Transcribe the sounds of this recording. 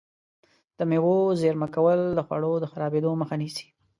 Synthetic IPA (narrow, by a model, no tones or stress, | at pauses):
d̪̥əmewozeɾmakawəld̪əxwa̰ɽod̪əxaɾɑbed̪oməxanisi̥